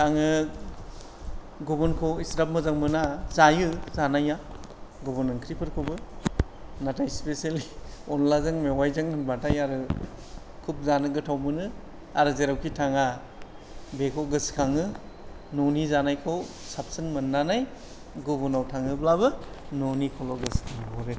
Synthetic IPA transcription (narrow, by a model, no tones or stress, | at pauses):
tʰaŋɯ | ɡubɔnkʰoisɾap̚mɯzaŋmɯnazajɯzanaja | ɡubɔnɯŋkʰɾipʰɯɾkʰobɯ | natajspesaliɔnlazɯŋmewajzɯŋɯnbatajaɾɯ | kʰup̚zanɯɡɯtʰawmɯnɯ | aɾɯzeɾawkʰitʰaŋa | bekʰɔɡɯskʰaŋɯ | nonizanajkʰo | sap̚sɯŋmɯnːanaj | ɡubɔnawtʰaŋɯblaβɯnonikʰɔlɔɡɯskʰaŋbɔɾe